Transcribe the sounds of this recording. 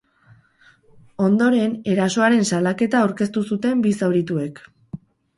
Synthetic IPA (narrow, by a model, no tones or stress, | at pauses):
o̞nd̪o̞ɾe̞ne̞ɾaso̞aɾe̞nsalake̞t̪aːwɾke̞st̪usut̪e̞mbisawɾit̪ue̞k